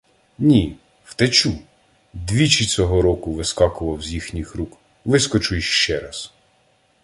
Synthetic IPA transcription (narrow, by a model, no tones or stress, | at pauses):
nʲi | w̥t̪et͡ʃu | d̪ʋʲit͡ʃit͡sʲɔɦɔɾɔkʊʋɪskɑkʊʋɐwzʲjixnʲixɾuk | ʋɪskɔt͡ʃʊjʃʃt͡ʃɛɾɐs